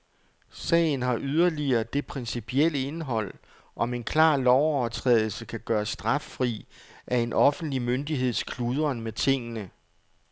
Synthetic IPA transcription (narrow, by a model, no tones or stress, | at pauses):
sɛ̰ɪn̩ɦɑ̈ʔyð̞ˠɐliɐːd̥e̝pʰʁɛnsipʰiel̰əe̝nɦɒ̽l̰ | ʔɒ̽me̝nkʰlɑ̰̈ːlɒʊɒɐt͡sʰʁɛ̰ːðˠl̩səkʰæɡ̥ɶːɐsd̥ʁɑ̈fːʁḭːʔæe̝nʔɒ̽fn̩d̥limønd̥iɦe̝ð̞̰ˠskʰluð̞ˠɐnmet͡sʰe̝ŋ̰ənə